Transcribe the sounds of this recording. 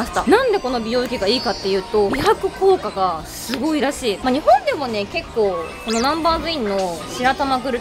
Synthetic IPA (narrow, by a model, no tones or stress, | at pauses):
aɕi̥t̪anãnd̪e̞ko̞no̞bʲijo̞ːikʲiɡaiːkat̪ːe̞jɯ̟ːt̪o̞jakɯ̟kʰo̞ːkaɡasɨɡo̞iɾaɕiːmaɲ̟ihõ̞nd̪e̞mo̞ne̞ke̞kːo̞ːko̞no̞nãmbaːzɨĩnːo̞ɕiɾat̪amaɡɯ̟ɾɯ̟